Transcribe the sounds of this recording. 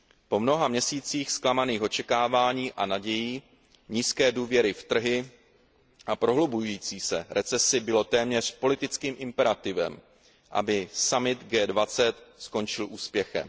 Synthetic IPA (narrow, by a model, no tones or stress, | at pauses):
po̞mno̞ɦamɲɛsiːt͡siːxsklamaniːxo̞t͡ʃɛkaːvaːɲiːʔanaɟɛjiː | ɲiːskɛːduːvjɛɾɪft̪r̩ɦɪ | ʔapɾo̞ɦlobujujiːt͡siːsɛɾɛt͡sɛsɪbɪlo̞t̪ɛːmɲɛr̝po̞lɪt̪ɪt͡skiːmʔɪmpɛɾat̪ɪvɛ̰m | ʔa̰bɪsamɪt̪ɡɛːdvat͡sɛt̪sko̞nt͡ʃɪlʔuːspjɛxɛ̰m